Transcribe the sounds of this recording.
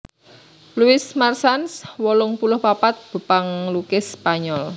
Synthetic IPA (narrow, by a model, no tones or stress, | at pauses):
luɪsmarsanswɔlʊŋpulʊhpapat̪̚b̥ə̤paŋlukɪspaɲɔl